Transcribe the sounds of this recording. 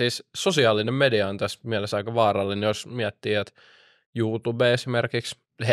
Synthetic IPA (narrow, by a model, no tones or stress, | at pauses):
iːssosiɑlːˑinemmediɑont̪æsmiælesɑikɑʋɑːrɑlːiniosmiæt̪ːiːæt̪ | juːt̪ubeːesimerkiks | h